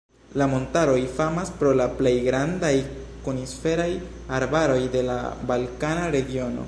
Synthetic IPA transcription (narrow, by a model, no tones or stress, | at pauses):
lamo̞ntaɾo̞jfamaspɾo̞laple̞jɡɾandajkunisfe̞ɾaj | aɾbaɾo̞jde̞la̰balkanaɾe̞ɡio̞no̞̰